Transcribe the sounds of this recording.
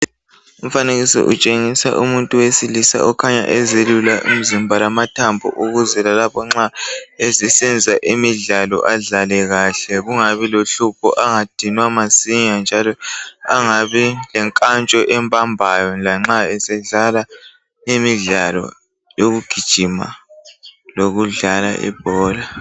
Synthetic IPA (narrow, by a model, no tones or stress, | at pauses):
um̩faneɣisḭʔṵt͡ʃʼeŋisa̰ʔumuntʼuwesilisa̰ɔkʰaɲa̰ʔɛzelulaʔṵm̩zimbʱalamatʰambʱṵʔuɣuzɛlalapʰɔŋ͡ǁaesɛsɛnd͡zʱaʔimiɮalɔ̰ʔaɮalɛɣaːɬɛɣuŋaβiloɬupʰɔ̰ʔaŋad̥ʱinwamasiɲand͡ʒʱalɔaŋaβilɛŋkʼant͡ʃʼɔʔɛmbʰʼʱambʱajɔlaŋ͡ǁaɛsɛɮala | imiɮalɔ̰ | joɣuɡ̥ʱid̥ʒ̥ʱima̰ | loɣuɮala̰ʔḭb̥ʱɔːla